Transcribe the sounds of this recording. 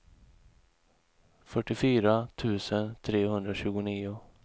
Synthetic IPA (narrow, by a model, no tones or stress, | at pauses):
fœʈːɪfyːɾat̪ʰʉ̟ːsənt̪ʰɾeːhɵnd̪ɾaɕʉ̟ːɡʊniːʊ